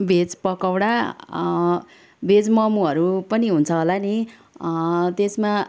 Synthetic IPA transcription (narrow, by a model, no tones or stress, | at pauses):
bʱet͡spʌkawɽa | bʱed͡zmʌmuɦʌɾupʌniɦunt͡sʰʌɦolani | t̪esma